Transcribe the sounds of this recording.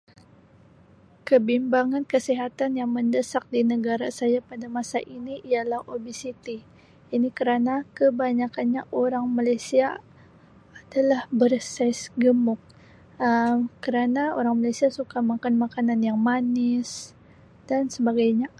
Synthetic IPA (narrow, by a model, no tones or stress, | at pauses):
kəbimbaŋankəsiɦat̪anjaŋməndəsak̚dinəɡaɾasajapadamasaʔiniʔialahobisit̪i | inikəɾanakəbaɲakanɲaʔoɾaŋmalajsiaː | dalahbərsasɡəmʊk̚ | əkəɾanaoɾaŋmalajsiasukamakanmakananjaŋmanɪs | d̥ansəbaɡajɲa